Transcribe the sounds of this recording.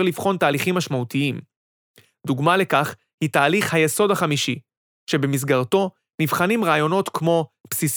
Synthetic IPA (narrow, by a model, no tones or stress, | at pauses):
ʁlivχo̞ntaːliχimːaʃmautiim | d̪uɡmale̞kaχ | hitaːliχhajeso̞dhaχamiʃi | ʃe̞be̞mis̬ɡaʁto̞ | nivχanimʁaːjo̞no̞t̪kmo̞psis